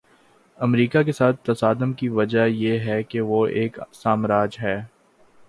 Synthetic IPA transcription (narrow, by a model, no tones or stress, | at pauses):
ɐmɾiːkakesaːt̪̚ʰt̪ːɐsaːd̪əmkiʋɐd͡ʒajeɦɛkeʋoeːksaːmɾaːd͡ʒɦɛː